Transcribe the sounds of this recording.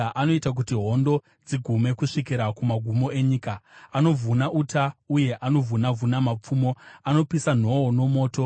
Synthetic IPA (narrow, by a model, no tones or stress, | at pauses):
ʔano̞itak̬utiɦo̞ndo̞ | d͡ziɡʱume̞kuʂikiɾakumaɡʱumo̞e̞ɲiːkaːno̞vunaʔutauje̞ʔano̞vʱunavunamap͡fuːmo̞ano̞pisan̤o̞ono̞mo̞ːto̞